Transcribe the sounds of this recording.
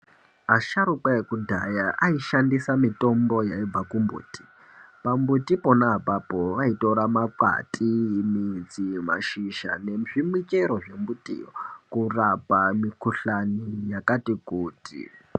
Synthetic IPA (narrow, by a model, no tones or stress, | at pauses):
aʃaɾukwaekudʱajaʔaiʃandisamito̞mbo̞jaib͡vakumbṵːtʼi̥ | pambutiponaapapoʋaito̞ɾamaka̰tʼimid͡zima̰ʃiʃa̰ne̞ʐimwit͡ʃeɾoʐe̞mbutḭːjokurapamikuɬanijakatikuːtʰʼḭ